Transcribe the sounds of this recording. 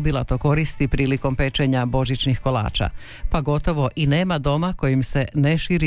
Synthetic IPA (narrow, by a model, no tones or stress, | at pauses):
bilˠat̪o̞ko̞ɾist̪ipɾiːliko̞mpe̞t͡ʃe̞ɲabo̞ʒit͡ʃnixko̞la̰ːt͡ʃa̰ | paɡo̞t̪o̞ʋo̞ʔine̞ːmad̪o̞mako̞jimse̞neʃiɾi